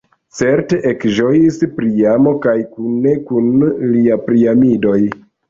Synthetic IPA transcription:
t͡se̞ɾte̞ʔekʒo̞jispɾiamo̞kajkunːe̞kunliapɾiamido̞j

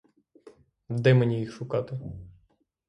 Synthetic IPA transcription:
d̪ɛmenʲijixʃʊkɑt̪ɪ

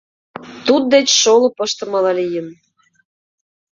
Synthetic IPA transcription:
t̪ud̪̚d̪et͡ɕʃolɤ̆pə̆ʃt̪ə̆mɑlɑlʲijə̆n

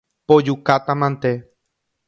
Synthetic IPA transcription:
pod͡ʒukat̪ãmãnt̪e

